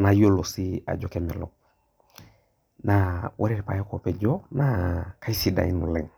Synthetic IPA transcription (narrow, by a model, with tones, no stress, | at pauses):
na˨jo˦lo˨si˦a̰˨d͡ʒo˨kɛ˨˦mɛ̰˨lɔ̰˨k̚ | na˨wʔɛ˦ɾɛ˦˨pa˨je˦ko˨pɛ˨d͡ʒɔ˦na˨ka˦i˦si˨da̰˨i˦nu˨lɛ˨ŋ